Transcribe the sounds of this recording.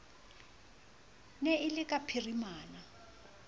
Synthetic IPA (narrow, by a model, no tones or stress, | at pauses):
nɛɪlɪkʼapʰirimaːna